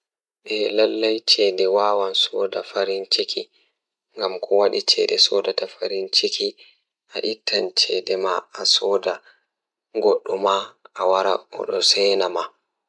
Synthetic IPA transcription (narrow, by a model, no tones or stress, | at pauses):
ɓɛlalːajt͡ʃɛdɛwawansɔːdafaɾint͡ʃeki | ŋɡamkʰɔwaɗit͡ʃɛdɛsɔdatafaɾint͡ʃeki | ʔaʔitʰːant͡ʃɛdɛmaasɔda | ɡɔɗːumaʔawaɾa̰ɔ̰ɗɔsɛːnama